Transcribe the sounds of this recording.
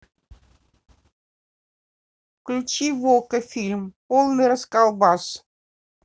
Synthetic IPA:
klʲut͡ɕivokəfʲilʲmpolˠnɨjɾəskɑlˠbɑs

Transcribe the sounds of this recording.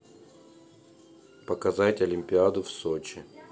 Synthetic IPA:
pəkɐzatʲɐlʲɪmʲpʲɪad̪ʊfsot͡ɕɪ

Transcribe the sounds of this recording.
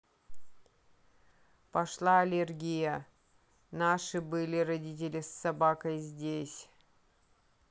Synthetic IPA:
pɐʂlˠaɐlʲerɡʲijə | naʂɨbɨlʲɪɾɐdʲit̬ʲɪlʲɪsːɐbakəjzʲdʲesʲ

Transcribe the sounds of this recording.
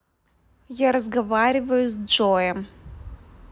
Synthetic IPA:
jaɾɐzɡɐvaɾʲɪvəjʊzd͡ʐɔjɛm

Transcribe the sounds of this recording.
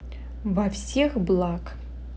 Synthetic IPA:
vɐfsʲexblˠakʼ

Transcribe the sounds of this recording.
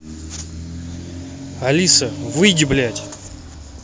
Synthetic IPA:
ɐlʲisəvɨɡʲɪblʲætʲ

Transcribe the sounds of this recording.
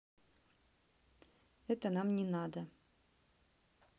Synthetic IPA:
ɛt̪ənamnʲɪnɑd̪ə

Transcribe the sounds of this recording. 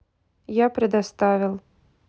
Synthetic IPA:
japɾʲɛd̪ast̪avʲilˠ

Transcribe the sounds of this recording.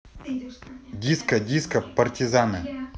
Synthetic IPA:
dʲiskɐdʲiskɐpɐrtʲizanɨ

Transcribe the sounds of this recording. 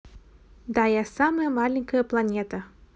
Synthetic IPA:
d̪ajɛsaməjəmalʲɪnʲkəjəplˠanʲet̪ə

